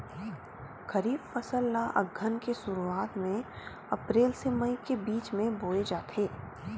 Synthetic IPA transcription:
kɐɾiːbpəsəllaʔɐ̰ɡʱənkesʊɾuaːt̪mẽ | ɐpɾeːlsemɐikebiːt͡ʃmẽboːed͡ʒaːt̪ʰeː

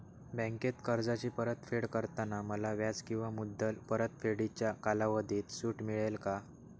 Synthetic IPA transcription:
bə̃ŋket̪kəɾd͡zat͡ɕiːpəɾət̪feɽkəɾt̪anaməlaʋjad͡zkĩw̃ʋamud̪ʱːəlpəɾət̪feɽit͡ɕjakalaʋəd̪ʱiːt̪suːʈmiɭelka

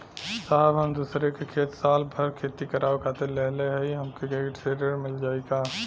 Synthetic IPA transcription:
saɦbɦəmd̪uːsɾekekʰeːt̪saːlbʱəɾkʰeːt̪ikəɾʔaːokʰaːt̪eleɦleɦiɦɐmkeɡekʈɾeːɖəɾmɪld͡ʒaːeɡaː

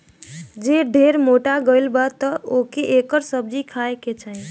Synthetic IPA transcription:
d͡ʒeɖʱeɾmoʈaɡəɪlbat̪əokeʔekəɾsəb̚d͡ʒikʰaeket͡ʃʰai

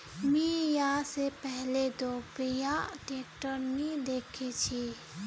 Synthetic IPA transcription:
mĩjasepɛɦled̪oːbijãʈeːkʈəɾnĩd̪eːkʰit͡ʃʰi

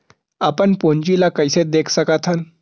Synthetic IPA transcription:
apəɳpoɲd͡ʑilakəjset̪̚d̪ekʰsəkat̪ʰan

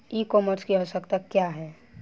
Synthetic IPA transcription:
iːkɔːməɾskiɦosəkt̪akːjaːɦɛː

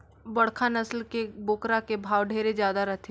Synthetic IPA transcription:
bɐɽkʰanɐslkeboːkɾakebʱaːʋɖʱeːɾed͡ʒjaːd̪aɾɐt̪ʰe

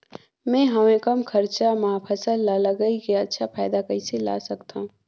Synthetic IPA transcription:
mɛ̃ɦɐmẽkɐmkʰəɾt͡ʃamapʰəsəlːaləɡəikiətːʃʰapʰaːɪd̪akəisela̰sɐkt̪aɦũ

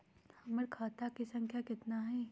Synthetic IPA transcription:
hɐməɾkʰaːt̪akisɐ̃ŋkʰjakɪt̪naɦɛː

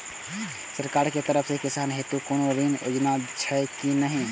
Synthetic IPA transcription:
səɾkaɾket̪əɾəpʰsekisanɦet̪ukonoɾino̰d͡ʒnat͡ʃʰɛkinəɦĩ

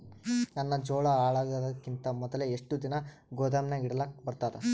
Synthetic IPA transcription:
nɐnːɐd͡ʒɔːɭɐaːɭɐɡɐd̪ɐkːint̪ɐmɔd̪ɐleeʂʈud̪inɐ | ɡoːd̪ɐmnɐiɽɐlɐbɐɾt̪aːd̪e

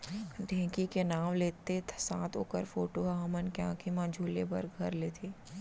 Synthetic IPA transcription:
ɖʱɛ̃ːkikenaːʋleːt̪esã̰ːt̪ʰo̰ːkəɾfoːʈoɦaɦɐmənkeã̰ːkʰimãd͡ʒʱuːlebɐ̰ɾɡʱɐɾleːt̪ʰeː

